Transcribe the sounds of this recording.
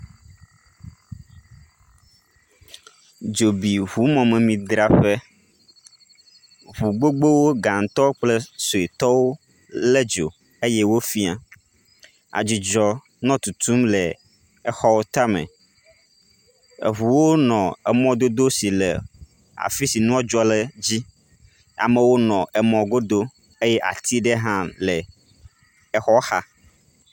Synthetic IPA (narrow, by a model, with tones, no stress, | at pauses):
d͡ʒo˨bi˨ɦu˨˦mɔ̃˨mɛ̃˨mĩ˨d̪ɾa˦ɸɛ˦ | βu˨ɡ͡bo˦ɡ͡be˦wo˦ɡa˨ŋ˨t̪ɔ˦k͡plɛ˦so˨e˨t̪ɔ˦wo˦ | lɛ˦d͡ʒo̰˨ | e˦jɛ˦wo˦fi˦a˨ | a̰˨d͡ʑi˨d͡ʒɔ˨ | nɔ̃˦t̪u˨t̪ʰu˦mle˨ | ɛ˦xɔ˦wo˦t̪a˦mḛ̃˨ | ḛ˨ɦu˨wo˦nɔ̃˨ɛ˨mɔ̃˨d̪o˦d̪o˦si˨lḛ˨ | a̰˨fi˦si˨nũ˦a˦d͡ʒɔ˦le˨d͡ʑi˦ | a̰˨me˨wo˦nɔ̃˨ʔɛ˨mɔ̃˨ɡo˦d̪o˦ | e˦jɛ˦ʔa̰˨t̪ʰi˦ɖe˦ɦã˦le˨ | ɛ˨xɔ˦xa˦